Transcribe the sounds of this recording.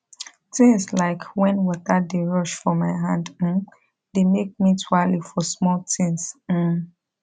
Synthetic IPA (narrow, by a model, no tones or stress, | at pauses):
tɪ̃ŋslaɪkʰwɛ̃nwɔtədeɹɔʃfɹɔ̃maɪɦãndm̩ | demek̚mitʰwalifɔsmɔltĩŋs̩